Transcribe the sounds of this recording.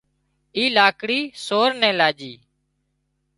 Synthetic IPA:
iːlaːkɽiːsoːɾnɛ̃ːlaːd͡ʒiː

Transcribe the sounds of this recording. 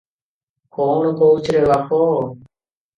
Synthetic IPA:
koːɳkoːut͡ʃɾeːʋaːkʰoː

